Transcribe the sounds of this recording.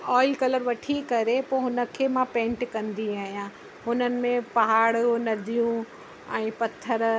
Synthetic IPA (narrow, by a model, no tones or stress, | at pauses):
ɔːɪlkɐləɾʋɐʈʰikɐɾepoːɦʊnə̆kʰeːmãpẽːɳʈkɐ̃nd̪iaːɦijãː | ɦʊnənɪ̆mẽpɐɦaːɽnɐɾd̪ʱijũ | ɛ̃ːpɐt̪ʰːəɾ